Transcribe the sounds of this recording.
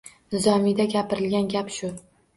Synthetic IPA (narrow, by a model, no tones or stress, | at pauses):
nɪzɒmid̪aɡʲapɪɾɪlɡʲanɡʲapʃʊ